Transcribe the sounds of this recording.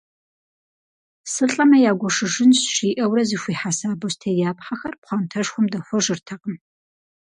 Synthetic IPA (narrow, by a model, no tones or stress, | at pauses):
sɨɬʼɐmɐjaːɡʷɔʂɨʐɪnsʃiːʔɐwrɐzixʷiːħasaːbɨstʰɐjaːpħɐxɐrpχʷɑmtʰɐʂxʷʊmdɐxʷɔʒɨrtʰɐqəm